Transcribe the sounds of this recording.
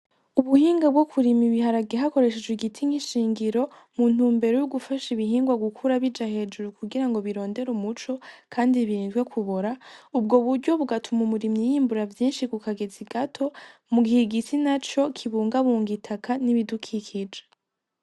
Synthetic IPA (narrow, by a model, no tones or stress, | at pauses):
uβuhiːŋɡabɡwokʰuɾimiβihaɾaɡeɦako̞ɾe̞ʃe̞d͡ʒɡwiɡitʰiŋiʃiːŋɡiɾo̞ | mun̥uːmbe̞ɾojuɡufaʃiβiɦiːŋɡwaɡukʰuɾaβid͡ʒahe̞d͡ʒuɾukuɡiɾaŋɡo̞βiɾo̞ːnde̞ɾumut͡ʃo̞kʰaːndiβiɾiːnzɡwe̞kʰuβoɾaubɡo̞βuɾɟo̞βuɡatʰumumuɾimɲijiːmbuɾavjiːnʃikukaɡe̞ziɡatʰo̞muɡihiɡitinat͡ʃo̞kʰiβuːŋɡaβuːŋɡitʰakʰaniβidukʰikʰid͡ʒe